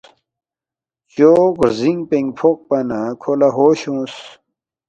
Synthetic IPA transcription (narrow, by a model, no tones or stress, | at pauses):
t͡ɕoɡɾziŋɡpẽŋɡpʰok̚pɐnakʰolaɦoːɕõs